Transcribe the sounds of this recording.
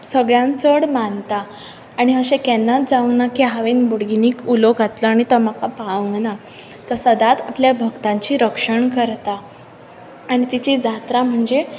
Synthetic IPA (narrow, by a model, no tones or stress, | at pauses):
səɡɭjãnt͡səɽmant̪aː | ɽ̃iɦəɕekɛnːat̪̚d͡zaʋənakiɦaʋiːnbuɽɡiniːkuloɡʱat̪ləaɽ̃it̪əmakapaʋəŋɡna | t̪əsəd̪at̪apljabʱəɡt̪ãɲt͡ɕiːɾəkʂəɳkəɾt̪a | ɽ̃it̪it͡ɕid͡zat̪ɾam̤əɳd͡ze